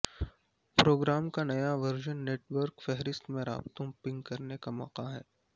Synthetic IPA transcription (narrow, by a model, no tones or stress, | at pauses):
pɾoːɡɾaːmkanɐjaʋɐɾʒənːeːʈʋəɾkfɛɦɾɪst̪mẽɾa̰ːbt̪õpɪ̃ŋɡkɐɾnekamɔ̰ːqaɦɛː